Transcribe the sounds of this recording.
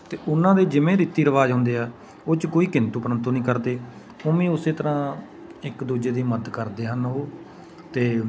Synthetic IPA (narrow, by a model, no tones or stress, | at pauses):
t̪eːʔʊnːãːd̪eːd͡ʒɪmẽːɾit̪iːɾəʋaːd͡ʒɦʊ̃nd̪eːɛː | oːt͡ʃkoːiːkɪnt̪uːpɾənt̪ũːnĩːkəɾd̪eː | oːmĩːʊseːt̪əɾãː | ɪkd̪uːd͡ʒeːd̪iːməd̪kəɾd̪eːɦənɦoː | t̪eː